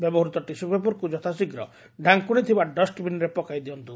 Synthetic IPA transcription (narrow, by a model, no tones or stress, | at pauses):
bɛbɔɦɔɾut̪ɔʈisubepuɾkud͡ʒɔt̪ʰasiɡɾɔ | ɖʱaŋkuɽ̃it̪ʰibaɖɔsʈbinɾepɔkajd̪iɔnt̪u